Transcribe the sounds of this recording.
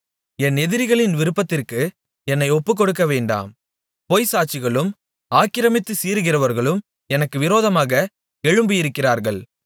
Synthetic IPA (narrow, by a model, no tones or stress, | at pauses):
ɛnɛðɪɾɪɣɐɭɪnʋɪɾɯpːɐt̪ːɪrkɯ | ɛnːɐɪɔpːɯk̬ːɔɽɯk̬ːɐʋeːɳɖa̰ːm | poːjsaːt͡ʃɪɣɐɭɯm | aːkɪɾɐmɪt̪ːɯsiːɾɯɣɪrɐʋɐɾɣɐɭɯm | ɛnɐkːɯʋɪɾoːðɐmaːɣɐ | ɛɻɯmbɯjɪɾɯkːɪraːɾɣɐɭ